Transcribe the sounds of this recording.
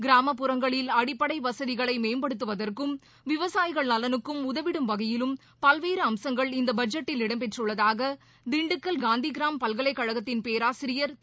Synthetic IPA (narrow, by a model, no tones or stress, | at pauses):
ɡɪɾaːmɐpːɯɾɐŋɡɐɭɪlɐɽɪpːɐɽɐɪʋɐsɐðɪɣɐɭɐɪmeːmbɐɽɯt̪ːɯʋɐðɐrkɯm | ʋɪʋɐsaːjɪɣɐɭnɐlɐnɯkːɯmʊðɐʋɪɽɯmʋɐɣɐjɪlɯm | pɐlʋeːɾɯɐmsɐŋɡɐɭɪnd̪ɐbɐd͡ʒɐʈːɪlɪɽɐmpɛʈrɯɭːɐðaːɣɐ | d̪ɪɳɖɯkːɐlɡaːnd̪iɡɪɾaːmpɐlɣɐɭɐɪkːɐɻɐɣɐt̪ːɪnpeːɾaːsɪɾɪjɐɾ